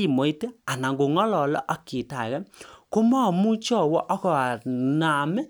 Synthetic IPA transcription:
i˨mo˨i˦te˦a˨na˨ŋɡo˨ŋɔ˦lɔ˨lɔ̰˦ʔa˨ki˨ta˨kɛ˦ko˦mɔ˦˨mu˦t͡ʃɔ˦˨wɔ˦ʔɔ˦kɔ˨a˨na˨mɛ˦

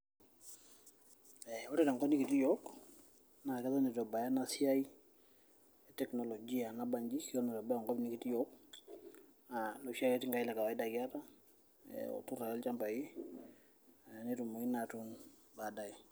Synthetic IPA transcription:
ɛɔ˦ɾɛta˨ŋɡɔ˦ni˦ki˨ti˦jɔk | na˨kɛ˦ta˦ne˨tɔ˨ba˨ja˦nasja˦i˦ | ɛtɛ˨kno˨lo˨d͡ʒi˦a˨na˦ba˨ɲd͡ʒi˦ki˦ɔ˦nɔ˨ɾɔ˨ba˦ja˨ŋɡɔ˦bni˦ki˨ti˦jɔk | a˨lo˨ʃa˦kɛ˦ti˦ŋɡa˦i˦la˨ka˨wa˨i˦da˨kja˦ta˦ | ḛɔ̰˨tu˦ra˨ɛ˦lt͡ʃa˦mba˨i˦ | a˨ne˦tu˨mo˨i˦na˨tun | ba˨da˦i˨

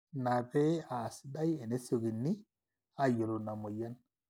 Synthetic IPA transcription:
na˨pe˦a˨si˦da˦je˨ne˦so˨ɡi˨nːi˦ | a˨jo˨lo˨na˨mo˨ja˦n

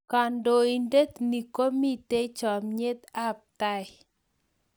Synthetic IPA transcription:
ka˨ndo˨i˨nde˦t̪ni˨ko˦mi˦t̪e˦t͡ʃɔ˨mɲe˦t̪a˦p̚t̪a˦˨ɪ˨

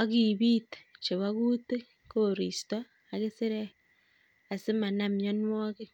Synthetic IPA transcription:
o˦ɣi˨βi˦te̥˨t͡ʃe˨βaɣute˦ | koɾi˨sto˦ | a˨ɣe˦se˦ɾe˦ | a˨se˦ma˨na˨mja˦nwo˦ɣe˦

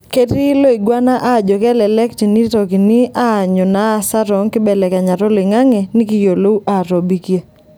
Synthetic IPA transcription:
ke˦ti˦lo˦i˨ɡwa˦na˦ʔa˦˨d͡ʒɔ˨kɛ˦lɛ˨lɛ˦kt͡ʃi˨ni˦tɔ˨ki˨ni˦a˦˨ɲɔ˨na˨˦˨sa˦ɾɔ˨˦ŋkɪ˦bɛ˨lɛ˨ka˨ɲa˨ɾɔ˦lɪ˨ŋa˦ŋɛ˨nɪ˦kɪ˦jo˨lo˦u˦ʔa˨ɾo˨bi˦kja˦

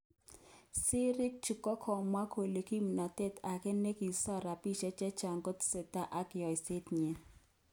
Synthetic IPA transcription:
sɪ˦ɾɪ˦k̚t͡ʃi˨kɔ˦kʰɔ˨mwa˦kʰo˨le˨ki˦m˨na˨tɛ˦˨ta˨kɛ˦ne˦ki˨sɔ˦ɾa˨pi˦˨ʃɛ˦t͡ʃɛ˦t͡ʃa˨ŋɡo˦tse˨ta˦ʔa˦kɪ˨ɔ˨jse˦tɲe˨

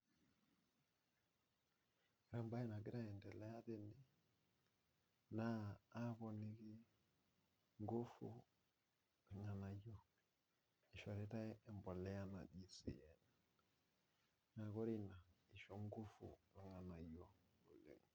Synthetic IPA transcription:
i˨ɾa˦mba˦ɛ˦na˨ɡɪ˦ɾa˦ɛ˨ndɛ˨lɛ˦a˦te˦ni˨ | naː˦bɔ˨ni˦ki˦ | ŋɡo˦fu˨ | i˨ŋa˨na˨jɔ˦ | i˨ʃɔ˨ɾe˦ta˦ɛ˦ɛ˨mbɔ˨lɛ˦ja˦na̰˨di˦sḭ˨jɛ˨n | na˨ko˦ɾi˦na˨i˨ʃo˦ŋɡo˦fṵ˨lɛ˨ŋa˨na˨jo˦o˨lḛ˨ŋ˨

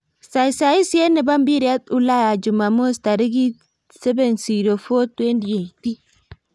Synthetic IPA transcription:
sa˨i˨sa˨i˦se˦ne˨βa˦mbi˦ɾi˦a˦tu˦la˦ja˨d͡ʒu˨ma˨mo˦sta˨ɾi˦ɡi˦ | se˦βe˦˨nsi˨ɾo˨fo˦twe˦ndi˨e˨i˨ti˦

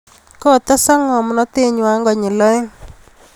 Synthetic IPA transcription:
kɔ˦˨t̪a˦sa˦ŋɔ˨mnɔ˦t̪e˦ɲwa˦ŋɡɔ˨ɲɪ˨lɔ˦ɪ˦

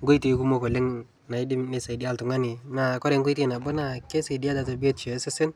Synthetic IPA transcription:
ŋɡo˦i˦ti˨˦ku˦mo˦˨ko˨lɪ˦ŋ | na˨i˦di˦mne˦sa˨di˦a˦ltu˨ŋa˦ni˨na˨kɔ˦ɾe˨ŋɡo˦i˦tːna˨bo˦na˨ke˦se˨di˦a˦da˨to˨bi˦o˦tt͡ʃo˨˦sɪ˦sɪ˦n

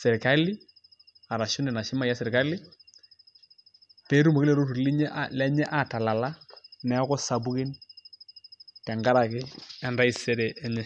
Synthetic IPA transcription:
sɛ˨ɾka˦lɪ˦ | a˨ɾa˨ʃʊ˦nɛ˨na˨ʃɪ˦ma˦ja˦sɛ˨ɾka˦lɪ˦ | pe˦ɾu˦mo˨kɪ˦lɛ˦ɾo˦tu˨li˦ɲɛ˦ʔalɛ˦ɲɛ˦ʔa˨ta˨la˨la˦nɛ˨˦kɔ˦sa˨bu˦kɪ˦n | tɛ˨ŋɡa˦ɾa˨kɪ˦ɛ˨nda˦i˨sɛ˦ɾɛ˨ʔɛ˦ɲɛ˦

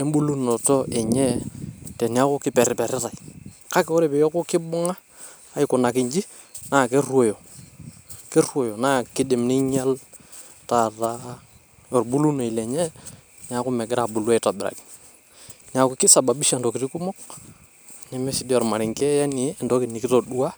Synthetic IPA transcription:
ɛ˦mbu˦lu˦nɔ˨tɔ˦ɛ˨ɲɛ˦tɛ˨ni˨a˦kʊ˦kɪ˦pɛ˨ɾɪ˨pɛ˨ɾɪ˦ta˨ika˦kɛ˦ɔ˦ɾɛ˨pɛ˨jɔ˦kʊ˦kɪ˦bʊ˦ŋaː˦˨ | i˨kʊ˨na˨kɪ˨ɲd͡ʒi˦ | na˨kɛ˦rwo˨jo˨ | kɛ˦rwo˨jɔ˨na˦kɪ˦dɪ˨mnɪ˦ɲa˦l | ta˨ta˦ | jɔ˨ɾbu˦lu˦no˨i˨lɛ˨ɲɛ˦ | ɲa˨kʊ˦mɛ˨ɡɪ˦ɾa˨bʊ˨la˦i˨ta˨bɪ˨ɾa̰˨kɪ̥˨ | ɲa˨kʊ˦kɪ˦sa˨ba˨bi˦ʃa˦˨ntɔ˨kɪ˨ɾi˦kʊ˦mɔ˦k̚ | ɲɛ˦mɛ˦sɪ˨˦di˦ɔ˨ɾma˨ɾɪ˨ŋkɛ˦jɛ˦nɪ˨˦˨ndɔ˦kɪ˨nɪ˨kɪ˦tɔ˨ɗu˦a˦

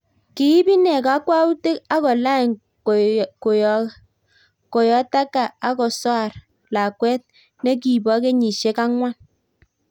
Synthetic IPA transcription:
ki˨ji˦bi˦ne˨ka˨a˦kwa˦u˦te˦ka˦kɔ˨la˦˨ | ko˨ | ko˨jɔ˨˦ta˦ka˨a˦kɔ˨sɔ˦a˦˨ɾ | la˨kwe˦t̚ | ne˦k̬i˨bɔ˨˦ke˦ɲi˨ʃe˦ka˦ŋʷa˦n

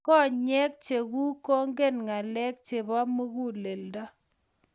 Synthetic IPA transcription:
kɔ˦˨ɲɛ˦k̚t͡ʃe˨ɡu˦ko˦ŋɡe˦nŋa˨lɛ˦k̚t͡ʃe˨ba˦mo˦ɣu˦le˨ldɔ˦

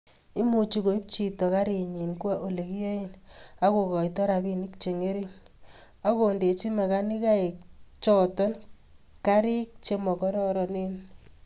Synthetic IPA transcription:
i˦mu˨t͡ʃi˨ko˨i˦p̚t͡ʃi˨tɔ˨ka˦ɾi˨ɲi˨nkwa˦ʔo˨le˨ki˦o˦i˦na˦ko˨kɔ˨i˨tɔ˦ɾa˨bi˦ni˦k̚t͡ʃe˨ŋe˦ɾi˦n | a˦ko˨nde˨t͡ʃi˦ma˨ka˦ni˦ka˦e˨kt͡ʃɔ˨tɔ˦n | ka˦ɾi˦k̚t͡ʃe˦mɔ˨kɔ˦ɾɔ˦ɾɔ˨ni˦n

